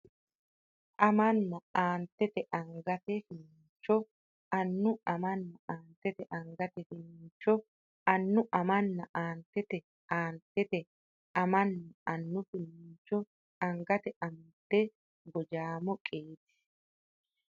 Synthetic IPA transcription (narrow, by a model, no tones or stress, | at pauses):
ʔɐmɐnːɐaːnt̪ːɛt̪ɛʔɐŋɡɐt̪ɛfɪnɪɲt͡ʃːɔ | ɐnːʊɐmɐnːɐaːnt̪ːɛt̪ɛʔɐŋɡɐt̪ɛfɪnɪnt͡ʃːɔ | ɐnːʊʔɐmɐnːɐʔaːnt̪ːɛt̪ɛ | aːnt̪ːɛt̪ɛ | ʔɐmɐnːɐɐnːʊfɪnɪɲt͡ʃːɔ | ɐŋɡɐt̪ɛʔɐmt̪ːɛ | ɡɔd͡ʒaːmɔkʼeːt̪ɪ̥